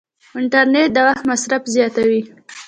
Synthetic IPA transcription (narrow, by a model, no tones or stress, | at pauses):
ɪɳʈaɾneʈ̚d̪əwaxt̪masɾafzjɑt̪awi